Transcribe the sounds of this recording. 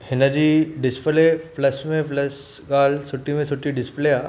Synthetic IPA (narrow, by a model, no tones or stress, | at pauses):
henad͡ʑiɖɪspleplɐsʈmẽplɐsɡaːlsuʈːimẽsuʈːiɖɪsplea